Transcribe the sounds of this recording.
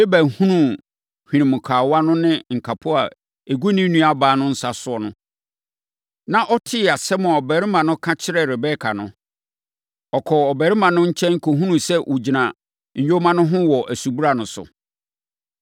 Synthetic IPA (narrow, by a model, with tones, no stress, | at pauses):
e˦bæ˨hũ˦nũ˦˨ | hᶣĩ˨nĩ˨mʊ̃˨kʰaː˨wa˦nʊ̃˦nɪ̃˦ŋ̩˨kʰa˨pʰʊ˦a̰˨ | e˨ɡu˦nĩ˦nũ˦a˦baː˨˦nʊ̃˦n̩˦sa˨sʊ˨˦ɔ˨nʊ̃˦ | nã˦ʔɔ˦tʰɪ˦a˨sɛ˦mʊ̃˨ɔ˨bɛ˨ɾɪ˦mã˨nʊ̃˦kʰã˦t͡ɕʰɪ˦ɾɛ˨ɾɪ˨bɛ˦kʰa˨nʊ̃˦ | ɔ˨kʰɔ˨ɔ˨bɛ˨ɾɪ˦mã˨nʊ̃˦ɲ̩˦t͡ɕʰɛ̃˦ŋ̩˦kʰo˨ɦũ˦nũ˨sɛ˦wʔu˨d͡ʑi˨nã˨ | ɲ̩˨jᶣo˦mã˦nʊ̃˦ɦʊ̃˦wɔ˨ʔæ˨su˨bu˦ɾa˨nʊ̃˨sʊ̰˨